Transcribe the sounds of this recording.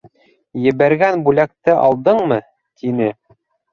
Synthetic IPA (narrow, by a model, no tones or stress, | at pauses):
jɘ̆βæɾɡænbʉlæk̚t̪ɘʔɑ̰lˠd̪ɤɴmɤ | t̪inɘ